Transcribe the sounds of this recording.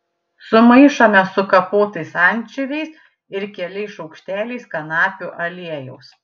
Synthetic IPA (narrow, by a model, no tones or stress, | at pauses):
sʊmɐɪʃɐmʲɛsʊkɐpoːt̪ɐɪsɐnʲt͡ʃʲɪʋʲɛɪs | ɪɾkʲɛlʲɛɪʃɒʊkʃʲt̪ʲæːlʲɛɪskɐnɑːpʲuːʔɐlʲiɛjɛʊs